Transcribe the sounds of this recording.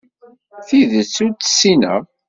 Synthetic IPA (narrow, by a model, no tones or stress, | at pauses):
θiðət͡sːuɾt͡sːə̥sːinæ̰